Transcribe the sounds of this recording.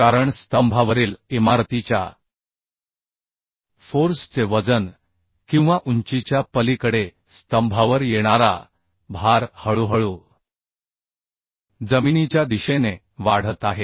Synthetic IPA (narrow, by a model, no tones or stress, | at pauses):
aɾəɳst̪əmbʱaʋəɾiːlimaɾt̪it͡ɕja̰ | foɾst͡seʋəd͡zən | kĩw̃ʋaʔuɲt͡ɕit͡ɕjapəlikəɽe | st̪əmbʱaʋəɾjeɽ̃aɾa̰ | bʱaɾhəɭuɦəɭuː | d͡zəminit͡ɕjad̪iɕene | ʋaɽ̤ət̪aɦe